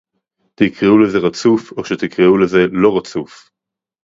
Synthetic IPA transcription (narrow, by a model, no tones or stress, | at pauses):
t̪ikʁeuleze̞ʁat͡sufoʃet̪ikʁeuleze̞lo̞ʁat͡suf